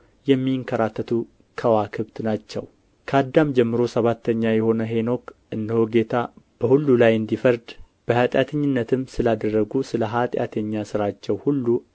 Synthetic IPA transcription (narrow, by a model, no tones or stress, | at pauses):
jɛmːiŋkʰəɾat̪ʰːət̪ʰu | kʰəwakʰɨβt̪nat͡ʃːɛ̰w | kʰad̪ːamd͡ʒɛmːɨɾo̞səβat̪ːəɲːajɛho̞nəɦe̞no̞kʔɨnd̪ɨhoɡe̞t̪ʰab̥əhulːulajɨnd̪ifəɾd̪ | b̥əhat̪ʼjat̪ʰəɲːɪnːət̪ʰɨmsɨlad̪ərːəɡusɨləɦat̪ʼja̰t̪ʰəɲːasɨɾat͡ʃːɛwhulːu